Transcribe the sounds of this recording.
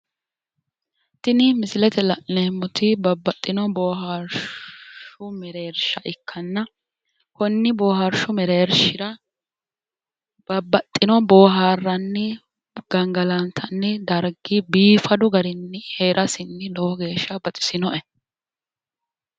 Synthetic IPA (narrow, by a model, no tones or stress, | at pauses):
t̪ɪnɪmɪsɪlɛt̪ɛlɐleːmːʊt̪ɪbɐbːɐt̪ʼːɪnɔboːɦaɾ | ʊmɛɾeːɾʃɐʔɪkʰːɐnːɐ | kɔnːɪbo̞ːhɐɾʃʊmɛɾeːɾʃɪɾɐ | b̥ɐbːɐt̪ʼːɪnɔbo̞ːɦaːrːɐnːɪ | ɡ̥ɐŋɡɐlɐnt̪ʰɐnːɪd̪ɐɾɡɪbiːfɐd̪ʊɡɐɾɪnːɪheːɾʔɐsɪnːɪlɔwɔɡe̞ːʃːɐbɐt̪ʼɪ̥sɪnɔʔɛ